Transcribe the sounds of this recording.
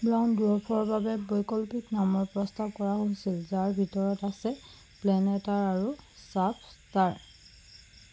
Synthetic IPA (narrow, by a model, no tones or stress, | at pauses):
bɹawndupʰɔɹbabɛbɔjkɔlpiknamɔɹpɹɔstab̚kɔɹaɦojsilzaɹbʱitɔɹɔtasɛ | plɛnɛtaɹaɹusapʰstaɹ